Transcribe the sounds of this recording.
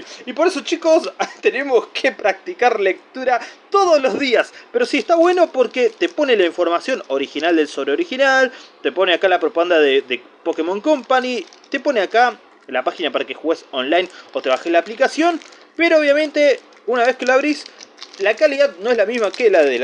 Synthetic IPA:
ipo̞ɾeso̞t͡ʃiko̞st̪e̞ne̞moskʰepɾak̚t̪ikaɾlek̚t̪uɾat̪oðozlo̞zðiaspeɾo̞siest̪aβwe̞no̞po̞ɾket̪e̞po̞nelaiɱfo̞ɾmasjo̞no̞ɾixinald̪e̞lso̞βɾeoɾixinalt̪e̞po̞neakalapɾopaɣand̪aðeðe | po̞kemõŋkompanit̪epo̞neaka | lapaxinapaɾakexuɣesonlajno̞t̪e̞βaxelaːplikasjo̞n | peɾooβ̞jamẽ̞nt̪e | unaβ̞e̞skeloaβɾislakaliðaðnoezlamizmakelaðe

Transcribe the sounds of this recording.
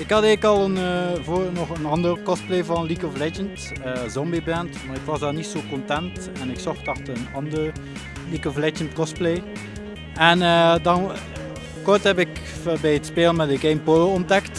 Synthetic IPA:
ɪkhɑdɛːkɑlˠənvonɔχənɑndərkɔs̚plejvɑnlikɔvlɛd͡ʒənt | əːzɔmbibɛntmaːɪkʋɑzdaːrnitsoːkɔntɛntɛnɪksɔxtɑxtənɑndər | likɔflɛd͡ʒəntkɔsplej | ɛnəːdɑn | kɔrthɛpɪkbɛjətspeːlənmɛdəɡejmpoloɔndɛkt

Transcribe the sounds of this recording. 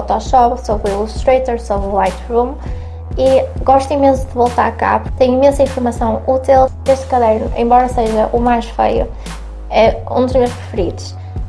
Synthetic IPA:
wt̪ɔʃɔpsoβiuʃt̪ɾejt̪ɛɾsoβɾuwajt̪ʁũm | iɣɔʃt̪imẽsuðɨvolˠt̪a̰ɾɐka̰puɾt̪ẽj̃imẽsɐĩfuɾmɐsɐ̃w̃ut̪elˠ | eʃt̪kɐðɛɾnuẽbɔɾɐseʒɐʔumajʃfḛjṵ | ɛṵ̃d̪uʒɲõɾʃpɾɨfɨɾiðuʃ

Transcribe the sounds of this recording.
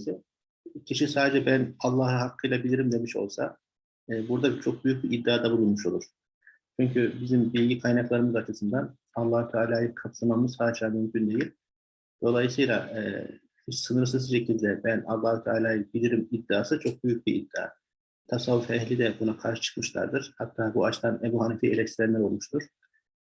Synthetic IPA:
si | cʰiʃisaːd̪ed͡ʒɛbænalˠːahɯhakʰːɯjlʲabilʲiɾimd̪e̞miʃo̞̰lˠsa̰ | ɯːbuɾd̪at͡ʃʰo̞k̚byjyc̚biʔid̪ːiaːd̪abulˠunmuʃo̞lˠuɾ̥ | t͡ʃʰyɲcʰybizimbilʲɟikʰajnaklˠaɾɯmɯzat͡ʃʰɯsɯnd̪an | alˠːaːhut̪ʰaːlʲaːjɯkʰat̪ʰɯlˠmamɯzhaːd̪ed͡ʒamymcʰynd̪e̞jilʲ | d̪̥o̞lˠajɯsɯjlˠaɛː | isɯnɯɾs̬ɯzʃe̞cʰilʲd̪ɛbænalˠːaːhut̪ʰaːlʲaːjɯbilʲiɾimid̪ːiaːsɯt͡ʃʰo̞k̚byjyc̚biḭd̪ːia̰ː | t̪ʰasalˠːufɛhlʲid̪ɛbunakʰaɾʃɯ̥t͡ʃʰɯ̥kmɯʃlˠa̰ɾd̪ɯɾ̥hat̪ʰːaːbuat͡ʃt̪ʰanebuhanifielʲɛst̪ʰiɾɛnʲɛɾo̞lˠmuʃt̪ʰuɾ̥

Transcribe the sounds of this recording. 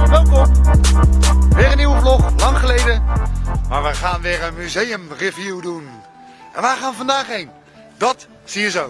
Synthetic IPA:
ʋɛlˠkɔm | ʋɪːɾənːiwəflɔχlɑŋχəlejdəmaːɹʋəχaːnʋɪːɹənmyzejəmrɪvjuwdun | ʔɛ̰nʋaːɹχaːnəvɑndaːχɦejn | dɑt | sijəzow

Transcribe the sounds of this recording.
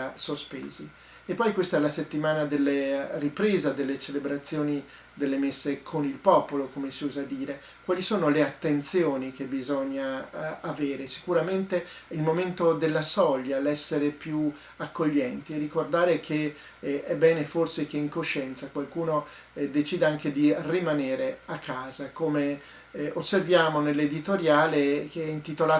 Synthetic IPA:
asospḛːzi | epːɔjkwest̪aɛlaset̪ːimaːnad̪elːeripɾeːzad̪elːet͡ʃelebɾat̪sːjoːni | d̪elːemesːekʰonilpɔːpolokomesiuːzad̪iːɾe | kwaːlisoːnoleat̪ːent̪sjoːnik̟ebizɔɲːaaveːɾesi̥kuɾament̪eilmoment̪od̪elːasɔʎːalɛsːeɾepju | akːoʎːɛnt̪ierːikord̪aːɾekʰe | ɛbːɛːneforsek̟eiŋkoʃːɛnt̪sakwalkuːno | d̪et͡ʃiːd̪eaŋked̪irimaneːɾeakʰːaːzakome | osːervjaːmonelːed̪it̪oɾjaːlekeɛint̪it̪olaː

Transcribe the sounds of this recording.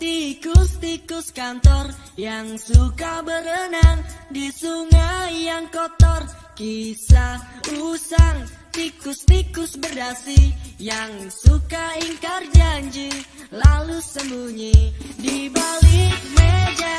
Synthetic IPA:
t̪ikust̪ikʊskant̪ɔr | jaŋsukabəɾənaŋdisuŋajaŋkɔt̪ɔr | kisausaŋ | t̪ikʊst̪ikʊsbərdasijaŋsukaiŋkard͡ʒaɲd͡ʒi | lalusəmbuɲidibalimed͡ʒa

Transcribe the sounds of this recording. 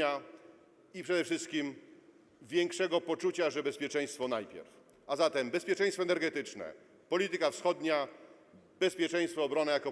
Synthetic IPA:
a | ipʂɛd̪ɛfʂɘst̪kʲim | vʲjɛŋkʂɛɡɔpɔt͡ʂut͡ɕaʐɛbɛspʲjɛt͡ʂɛ̃j̃st̪fɔnajpʲjɛ̰ɾf | azat̪ɛmbɛspʲjɛt͡ʂɛ̃j̃st̪fɔɛnɛɾɡɛt̪ɘt͡ʂnɛ̰ | pɔlʲit̪ɘkafsxɔd̪ɲa | bɛspʲjɛt͡ʂɛj̃st̪fɔːbɾɔnɛjakɔ

